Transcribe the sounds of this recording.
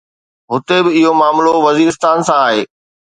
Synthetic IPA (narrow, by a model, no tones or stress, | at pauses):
ɦʊt̪ebɪɪɦomaːmloʋɐziːɾɪst̪aːnsãaːɦeː